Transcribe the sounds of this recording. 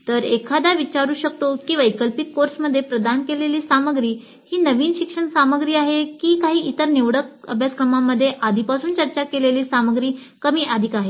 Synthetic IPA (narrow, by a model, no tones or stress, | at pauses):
t̪əɾekʰad̪aʋit͡ɕaɾuːɕəkt̪okĩw̃ʋajkəlpikːoɾsməd̪ʱːjepɾəd̪ankeleliːsaməɡɾiː | hiːnəʋiːnɕikʂəɳsaməɡɾiːaɦekiːkaɦiːʔit̪əɾniʋɽəkəbʱjaskɾəmamːəd̪ʱːjeʔad̪ʱipasuːnt͡ɕəɾt͡ɕakeleliːsaməɡɾiː | kəmiːʔad̪ʱikaɦe